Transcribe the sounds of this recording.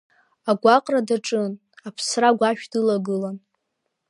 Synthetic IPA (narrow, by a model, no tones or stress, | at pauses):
aɡʷaqʼradaʈ͡ʂʼɨn | apʰsraɡʷaʃᶣdɨlaɡɨlan